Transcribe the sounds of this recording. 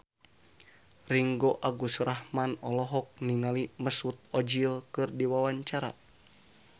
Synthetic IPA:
riŋɡoʔaɡusrahmanɔlɔɦɔk̚niŋaliməsut̪̚ɔd͡ʒilkɨrdiwawaɲt͡ʃaɾa̰

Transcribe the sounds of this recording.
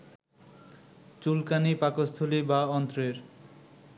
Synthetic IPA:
t͡ɕulkanipakost̪ʰolibaɔnt̪ɾeɾ

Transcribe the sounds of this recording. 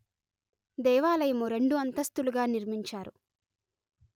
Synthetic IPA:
d̪ɛːʋaːlɐjɐmuɾe̞ɳɖuɐnt̪ɐst̪uluɡaːniɾmiɲt͡ʃaːɾu

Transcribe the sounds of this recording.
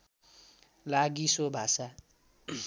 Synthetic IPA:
laɡisobʱasa

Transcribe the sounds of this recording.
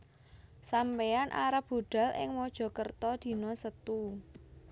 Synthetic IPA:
sampeanʔa̰ɾab̥o̤ɖ̪̥a̤lɪ̰ŋmɔd̥ʒ̥ɔ̤kərt̪ɔd̪̥i̤nɔsət̪u

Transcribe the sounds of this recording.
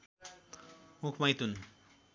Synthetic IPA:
mukʰmajt̪un

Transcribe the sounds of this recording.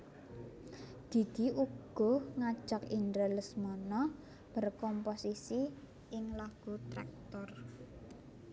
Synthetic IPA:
d̪̥i̤d̪̥i̤uɡ̥ɔ̤hŋḁʒ̥akind̪ɾələsmɔnɔ | b̥ə̤rkɔmposisi | ɪŋlaɡ̥ut̪ɾa̰k̚t̪ɔr

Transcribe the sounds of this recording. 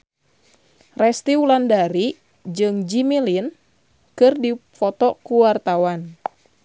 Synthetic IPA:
rɛst̪iulandaɾi | d͡ʒɨŋd͡ʒimilin | kɨrdifɔt̪ɔkuwart̪awan

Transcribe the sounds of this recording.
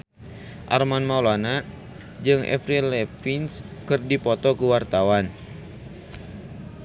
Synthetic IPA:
ʔa̰rmanmaulana | d͡ʒɨŋʔɛ̰fɾilɛfinskɨrdipɔt̪ɔkuwart̪awan

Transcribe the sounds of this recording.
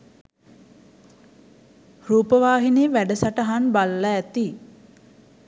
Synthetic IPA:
ruːpəʋaːɦineːʋæɖəsaʈəɦanbalːaæt̪i

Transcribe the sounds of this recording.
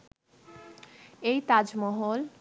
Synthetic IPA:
ejt̪ad͡ʑmɔɦol

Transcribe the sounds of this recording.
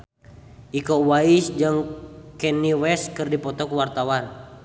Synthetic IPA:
ʔikɔwaisd͡ʒɨŋkɛniwɛskɨrdipɔt̪ɔkuwart̪awan

